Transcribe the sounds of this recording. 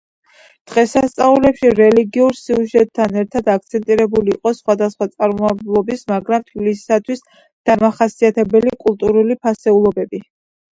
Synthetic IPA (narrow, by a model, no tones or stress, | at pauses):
d̪̥ʁɛsast̪sʼaulɛpʃiɾɛliɡiuɾsiuʒɛt̪̚ʼʰːanɛɾt̪ʰad̪ak̚t̪sʰɛnt̪ʼiɾɛbuliːqʼɔsχwad̪asχwat̪sʼaɾmɔablˠɔbismaɡɾamt̪ʰvilisi̥sat̪ʰwis | d̪̥amaχasiat̪ʰɛbɛlikʼulˠt̪ʼuɾulipʰasɛulˠɔbɛbi